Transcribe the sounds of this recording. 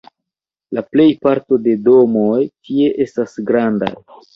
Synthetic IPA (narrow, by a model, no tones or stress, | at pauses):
laple̞jpaɾto̞de̞do̞mo̞jtie̞ʔe̞stasɡɾanda̰j